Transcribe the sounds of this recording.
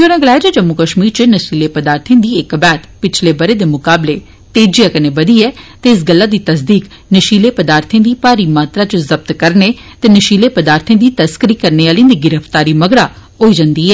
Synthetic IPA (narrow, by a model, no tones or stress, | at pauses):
d͡ʒoɾãːɡəlaːd͡ʒəd͡ʒəmːukəʃmiːɾt͡ʃənəʃiːlepəd̪aːɾt̪ʰẽːd̪iːɪkbɛːt̪pɪt͡ʃʰlebəɾeːd̪eːmʊkaːble | t̪eːd͡ʒijakənebəd̪iːɛːt̪eɪsɡəlːaːd̪iːt̪əs̬d̪iːk | nəʃiːleːpəd̪aːɾt̪ʰẽːd̪iːpaːɾiːmaːt̪ɾat͡ʃəzəb̚t̪kəɾneː | t̪eːnəʃiːlepəd̪aːɾt̪ʰẽːd̪iːt̪əskɾiːkəɾneaːlĩːd̪iːɡɪɾəft̪aːɾiːməɡɽaːɦoːid͡ʒãnd̪iːɛː